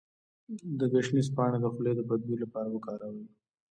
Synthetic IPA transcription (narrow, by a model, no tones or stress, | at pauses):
d̪əɡaʃnis̬pɑɽed̪əxʊled̪əbad̪̚bilapɑɾawəkɑɾawii